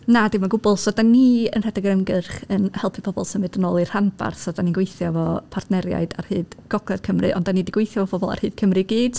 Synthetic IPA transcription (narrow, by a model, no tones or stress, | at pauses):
nadɪmaɡʊbʊlˠsɔdanːiə̰nr̥ɛdaɡɾəmɡɨrχənhɛlˠpʰi̥pʰɔbɔ̰lˠsənvɨdənoːlˠir̥hanba̰rθsɔdaniŋɡwejθjɔvɔpʰartʰnɛɾja̰ɨda̰rhɨːð̥ɡ̥ɔɡlɛd̥kʰəmrɨʔɔ̰ndanidiɡwejθjɔvɔbʰɔbɔlˠa̰rhɨːð̥kʰəmrɨɡiːd̥